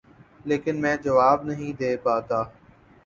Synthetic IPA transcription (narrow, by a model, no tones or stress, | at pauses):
leːkɪnmɛ̃ːd͡ʒɐʋaːbnɐɦĩd̪eːpaːt̪aː